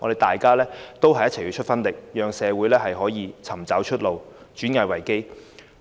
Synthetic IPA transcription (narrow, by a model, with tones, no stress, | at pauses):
ŋɔː˨˧de˨˩t̪aː˨jkaː˥lɛː˥t̪o˥wɦɐ˨jɐ˥t̚ʰɐ˨˩jyː˨˧t͡ʃʰɵ˥t̚fɐ˥nlɪ˨k̚jœː˨ŋsɛː˨˧wuː˨˥jlɛː˥ɦɐ˨jɦɔː˨˥jiː˨˧t͡sʰɐ˨˩mt͡saː˨˥wt͡ʃʰɵ˥t̚lo˨w | t͡ʃyː˨˥nŋaː˧wɐ˨˩jke˥j